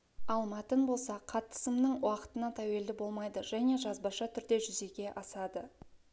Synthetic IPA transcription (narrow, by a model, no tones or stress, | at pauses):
ɑlˠmɑt̪ənbo̞lˠsɑqʰɑt̪ːə̥səmnəɴwɑqə̥t̪ənɑt̪ʰæwe̞ld̪ɪbo̞lˠmɑjd̪əʒæne̞ʒɑzbɑʃɑt̪ʰʏɾd̪e̞ʒʏze̞ɡʲe̞ʔɑsɑd̪ə